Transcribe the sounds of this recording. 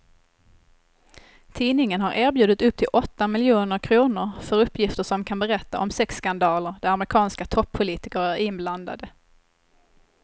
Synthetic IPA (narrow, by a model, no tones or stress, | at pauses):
t̪ʰiːnɪŋənɦaɾʔæːɾbjʉd̪ət̪ɵp̚ːt̪ʰɪlʔɔt̪ːamɪljuːnəɾkʰɾuːnʊɾfœɾɵpːjɪft̪əʂɔmkʰanbɛɾɛt̪ːa̰ʔɔmsɛksːkand̪ɑːləɾd̪æɾamɾɪkʰɑːnskat̪ʰɔpʰːʊliːt̪ɪkəɾæɾɪnbland̪a̰d̪ə